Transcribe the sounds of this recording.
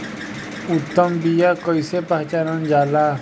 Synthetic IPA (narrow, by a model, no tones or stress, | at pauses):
ut̪ːəmbijaːkɔjsepaɦt͡ʃaɾənd͡ʒaːlaː